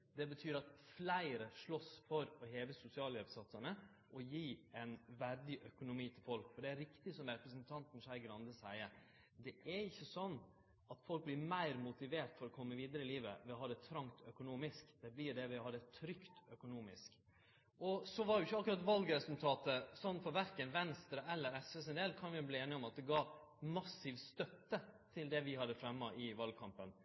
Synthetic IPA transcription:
d̪ɛbət̪ʰyːɾɑt̪flæɪɾəʂɭɔsfɔɾɔheːʋəsʊsɪɑːlɛbsɑt̪ːəɳə | ʔɔjiːɛnʋæɾd̪ɪʔœkʊnʊmiːt̪ʰɪlfɔlkfɔɖɛæɾɪkt̪ɪsɔmɾɛpɾəsənt̪ʰɑnt̪n̩ʂæɪɡɾɑnd̪əsæɪə | d̪ɛʔæɾɪçːəsɔnː | ɑt̪fɔlk̚blɪɾmæɪɾmʊt̪ɪʋeːʈ̪fɔɾɔkʰɔmːəʋiːd̪əɾəɪliːʋə̰ʋɪɦɑːd̪ɛt̪ʰɾɑŋt̪œkʊnuːmɪskd̪̥ɛblɪɖ̪ɛʋɪhɑːd̪ɛt̪ʰɾʏkt̪œkʊnuːmɪ̰sk | ʔɔsɔʋɑɾɛʊɪçːəɑkːʉɾɑt̪ʋɑlɡɾɛsʉlt̪ʰɑːt̪əsɔnːfɔɾʋæɾkənʋɛnst̪ɾəɛlːəɾɛsʋəs̬ɪnd̪ɛːlkʰɑnʋɪʊbliːeːnɪɔmɑt̪̚d̪ɛɡɑːmɑsːiːʋst̪œt̪ːət̪ʰɪld̪ɛʋɪhɑd̪ːəfɾɛmːɑʔɪʋɑl̚kʰɑmpən

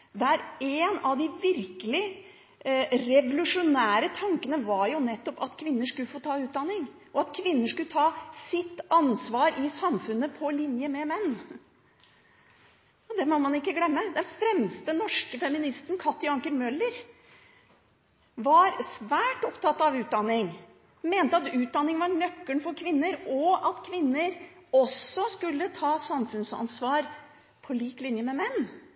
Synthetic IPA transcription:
d̪æɾeːnɑʋd̪ɪʋɪɾkəlɪ | ɾɛʋʊlʉʂʊnæːɾət̪ʰɑŋkənəʋɑɾjʊnɛt̪ːɔpɑt̪kʰʋɪnːəʂkʉlːəfoːt̪ʰɑːʉːt̪̚d̪ɑnːɪŋ | ʔɔɑt̪kʰʋɪnːəʂkʉlət̪ʰɑːsɪt̪ːɑnsʋɑːɾʔɪsɑmfʉnːəpʰɔlɪnjəmɛmɛnː | ɔd̪ɛmɔmɑnɪkːəɡlɛmːəd̪ɛnfɾɛmst̪ənɔʂkəfɛmɪnɪst̪ənkʰɑt̪ːjɑŋkəɾmœlːəɾ | ʋɑɾsʋæːʈɔpt̪ʰɑt̪ːɑʋʉːt̪̚d̪ɑnːɪŋ | meːnt̪əɑt̪ʉːt̪̚d̪ɑnːɪŋʋɑɳœkːəɳfɔɾkʰʋɪnːəɾɔɑt̪kʰʋɪnːəɾɔsɔskʉlːət̪ʰɑːsɑmfʉnsɑ̰nsʋɑːɾ | pʰɔliːklɪnjəmɛmɛnː

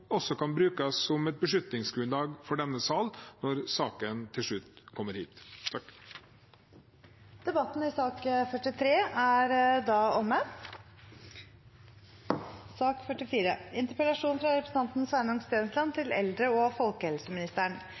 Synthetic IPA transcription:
ɔsːɔkɑnbɾʉːkəsːɔmɛt̪̚bəʂʏt̪nɪŋsɡɾʉnlɑːɡfɔɖɛnːəsɑːlnɔɾsɑːkənt̪ʰɪlʂɭʉt̪kʰɔmːəɾhḭːt̪ʰ | d̪̥ɛbɑt̪n̩ɪsɑːkfœʈːɪt̪ʰɾeːæɾd̪ɑːɔmːə | sɑːkfœʈɪfiːɾə̰ɪnt̪əɾpəlɑʂuːnfɾɑɾɛpɾsn̩ʰɑnt̪nsʋænʊŋst̪øːnslɑnt̪ʰɪlɛ̰ld̪ɾəɔfɔlkəhɛlsəmɪnɪst̪æːɳ

